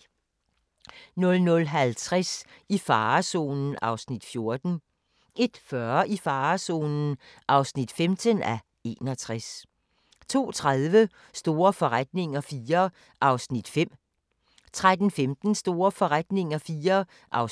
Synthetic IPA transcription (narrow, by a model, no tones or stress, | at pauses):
nɔ̽lnɔlɦælt͡sʰʁasifɑːso̝̰ːnn̩ɑ̈ʊsnid̥fjo̝ɐd̥n̩ | ʔe̝d̥fɶɐʔifɑ̈ːso̰ːnn̩ʔɑ̈ʊsnid̥femd̥ənæ | e̝̰ːnɒ̽t͡sʰʁas | t͡sʰo̝̰ːt͡sʰʁaðˠʋə | sd̥o̝ːɐfɒ̽ʁad̥ne̝ŋɐfiːɐ | ʔɑ̈ʊsnid̥fem̰ | t͡sʰʁad̥n̩femd̥n̩sd̥o̝ːɐfɒ̽ʁad̥ne̝ŋɐfiːɐ | ʔɑʊ